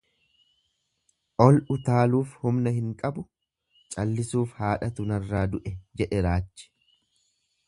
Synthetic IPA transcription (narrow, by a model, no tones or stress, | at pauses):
ʔɔlʊt̪aːluːfhʊmnɐhɪŋkʼɐbʊ | t͡ʃʼɐlːɪsuːfhaːᶑɐt̪ʊnɐrːaːd̪ʊʔɛd͡ʒɛᶑɛɾaːt͡ʃːɛ̥